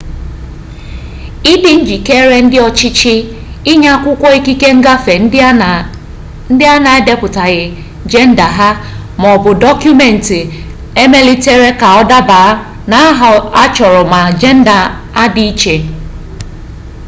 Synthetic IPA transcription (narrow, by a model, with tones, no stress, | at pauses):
i˦dɪ˨n̩˦d͡ʒi˨ke˦ɾe˦n̩˦dɪ˦ɔ˦t͡ʃɪ˦t͡ʃɪ˦ | ɪ˦ɲa˦kʷʊ˦kʷɔ˦i˦ki˦ke˦ŋ̩˦ɡa˦fe˨n˦ | n̩˦dɪ˦a˦na˨e˦de˦pʊ˨ta˨ɣɪ˨ | d͡ʒe˦n̩˦da˨ɦa˦ | m˨ɔ˨bʊ˨dɔ˦kju˦me˨n̩˨tɪ˨ | e˦me˦li˦te˦ɾe˦ka˨ɔ˦da˦ba˨˦ | na˨˦ɦa˦t͡ʃɔ˨ɾɔ˨ma˨d͡ʒe˦n̩˦da˨ | a˦di˦i˦t͡ʃe˨